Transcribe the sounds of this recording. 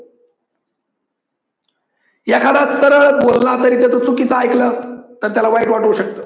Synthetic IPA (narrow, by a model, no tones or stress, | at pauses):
jakʰad̪at͡ssəɾəɭbolnat̪əɾiːt̪jat͡sət͡sukit͡səajklət̪əɾt̪jalaʋaiʈʋaʈuɕək̚t̪o